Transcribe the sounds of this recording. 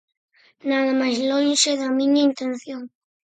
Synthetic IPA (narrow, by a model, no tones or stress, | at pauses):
naðɐmajzlonʃeðɐmiɲɐint̪enθjoŋ